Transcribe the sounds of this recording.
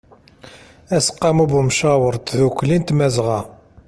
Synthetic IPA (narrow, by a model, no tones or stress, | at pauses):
æsə̥qːɑmubəmʃɑwəɾˤt̪ðuklint̪mæzʁæ